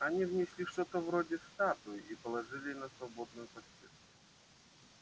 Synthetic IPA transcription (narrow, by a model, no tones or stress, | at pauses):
ɐnʲivnʲɪsʲlʲiʂt̪ot̪əvɾodʲɪfst̪at̪ʊɪipəlˠɐʐɨlʲɪnəsvɐbod̪nʊjʊpɐsʲe